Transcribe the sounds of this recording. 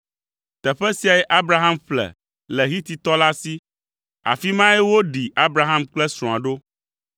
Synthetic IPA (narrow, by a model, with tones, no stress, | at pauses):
t̪ɛ˨ɸɛ˦si˦a˨jɛ˦ʔa˦bɾa˨ɦã˦mɸlɛ̰˨ | lɛ˨ɦi˦t̪i˨t̪ɔ˦la˦si˦ | a̰˨fi˦mã˦ɛ˦wo˦ɖi˨a˦bɾa˨ɦã˦mk͡plɛ˦sɾɔ̃˨a̰˨ɖo˦